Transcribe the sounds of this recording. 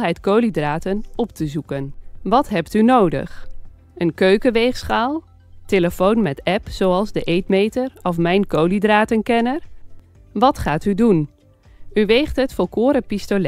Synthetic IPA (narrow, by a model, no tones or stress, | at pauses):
ɦɛjtkowlidraːtənɔp̚təzukənʋɑtɦɛptynowdə̰χ | ənkøɥkəʋejχsχaːlˠ | teləfownmɛtɛpsowɑlˠzdəʔejtmejtəɹɔfmɛjnkowlidraːtənkɛnəɹ | ʋɑtχaːtydun | yʋejχtɦətfɔlˠkʊːɾəpistol